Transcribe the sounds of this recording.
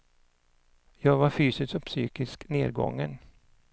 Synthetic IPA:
jɑːɡvaɾfyːsɪst̪ɔpsyːkɪskneːɾɡɔ̰ŋːən

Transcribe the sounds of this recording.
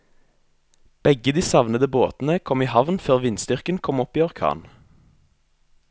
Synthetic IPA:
b̥ɛɡəd̪iːsɑʋnəd̪əboːt̪n̩əkʰɔmiːhɑʋnføːʁʋɪnst̪ʏʁkənkʰɔmɔpiːɔʁkʰɑ̰ːn

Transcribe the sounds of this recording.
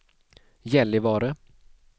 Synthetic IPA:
jɛlːɪvɑːɾə

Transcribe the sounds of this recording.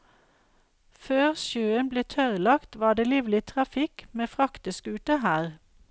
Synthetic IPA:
føːʁʃøːənbleːt̪ʰœʁlɑkt̪ʋɑːɖ̪eːliːʋlɪt̪ʰʁɑfɪkmeːfʁɑkt̪ɪskʉːt̪əhæːʁ

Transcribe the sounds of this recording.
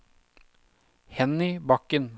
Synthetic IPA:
hɛnɪbɑkən

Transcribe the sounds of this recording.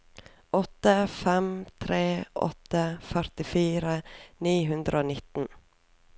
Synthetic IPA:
ɔt̪əfɛmt̪ʰɾeːʔɔ̰t̪əfœɾt̪ɪfiːɾəniːɦʉnd̪ɾəoːnɪt̪n̩

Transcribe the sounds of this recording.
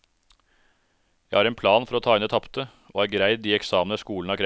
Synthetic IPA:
jæɪhɑɾeːnpʰlɑːnfɔɾoːt̪ʰɑːɪnɛːt̪ʰɑpt̪ə | ʔo̰ːæːɾɡɾæɪd̪̚ːiːɛksɑːmənəskuːlnɑːkʰɾ

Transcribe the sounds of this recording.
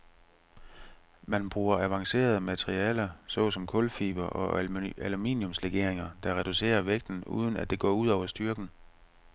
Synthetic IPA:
mænb̥ʁuːɐæʋɑ̈ŋse̝̰ːɐð̞̩ˠəmæt͡sʰʁiɛːlɐsɒ̽sɒ̽mkʰɔ̽lfḭːb̥ɐʔɒ̽ælumḭːnjomsleɡ̥e̝ɐ̰e̝ŋɐd̥ɑ̈ʁɛd̥use̝̰ːɐʋeɡ̥̚d̥n̩ṵːð̞ˠn̩æd̥e̝ɡ̥ɒ̰ːuð̞̰ˠɒʊɐsd̥yɐɡ̥n̩

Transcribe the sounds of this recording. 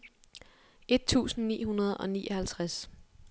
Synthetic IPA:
e̝d̥̚t͡sʰṵːsn̩nḭːɦunɐð̞ˠɒ̽nḭːʔɒhælt͡sʰʁas

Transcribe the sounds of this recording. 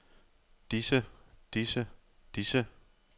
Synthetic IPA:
d̥isəd̥isəd̥isə

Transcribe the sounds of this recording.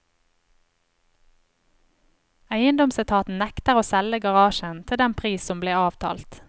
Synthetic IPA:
æɪənd̪ɔmsət̪ʰɑːt̪n̩nɛkt̪əʁoːsɛləɡɑʁɑːʃənt̪ʰɪld̪ɛnpʰʁiːsɔmbleːɑːʋt̪ʰɑ̰ːlt̪

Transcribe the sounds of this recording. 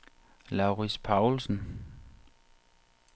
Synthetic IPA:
lɑ̈ʊʁispʰɑ̈ʊlsn̩

